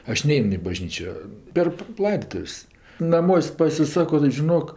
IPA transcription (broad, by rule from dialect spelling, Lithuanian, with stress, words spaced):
ˈɐʃ ˈnʲɛɪn ɪ bɐˈʒʲnʲiːt͡ʃʲoː pʲɛr ˈlˠɐɪdoːtʊwsʲ nɐˈmuɔsʲ pɐsʲɪˈsɑːkoː tɐɪ ʒʲɪˈnoːk